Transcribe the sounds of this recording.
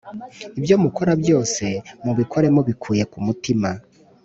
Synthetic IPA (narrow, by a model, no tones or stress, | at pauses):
ibjo̞muko̞ɾabjo̞ːse̞muβikʰo̞ɾe̞mo̞βikʰuːje̞kumutima